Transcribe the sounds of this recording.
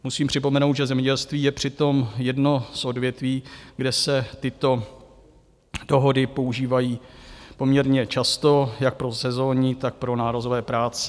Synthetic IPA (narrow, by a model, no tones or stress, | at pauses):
musiːmpr̝̥ɪpo̞mɛnowt̪ʒɛzɛmɲɛɟɛlst̪viːjɛpr̝̥ɪt̪o̞mjɛdno̞sʔo̞dvjɛt̪viːɡdɛsɛt̪ɪt̪o̞ | d̥o̞ɦo̞dɪpo̞uʒiːvajiːpo̞mɲɛɾɲɛt͡ʃast̪o̞jak̚pɾosɛzo̞ːɲɪt̪ak̚pɾo̞naːɾozo̞vɛːpɾaːt͡sɛ̥